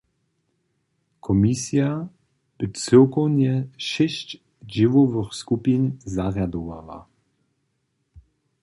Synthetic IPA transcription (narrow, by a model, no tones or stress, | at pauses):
kʰɔmisja | b̥ɪt͡sɪwkɔwɲɛʃɛɕt͡ɕ | ʒɪvɔvəxskupinzaʁjad̪ɔva̰wa̰